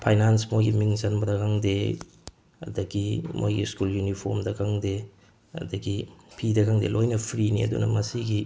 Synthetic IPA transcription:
pʰajnansmojɡimiŋzɐnbɐdɐkʰaŋde | ɐ̰dɐɡimʔo̰jɡḭskuljunipʰoɾmdɐkʰaŋde | ɐ̰dɐɡipʰidɐkaŋdelojnɐpʰɾiniɐ̰dṵnɐ̰mɐsiɡi

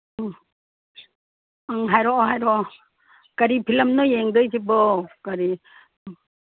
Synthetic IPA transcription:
ŋɦajɾɔɦajɾɔ | kaɾipʰilɐmnɔjeŋdɯjtibɔkaɾi

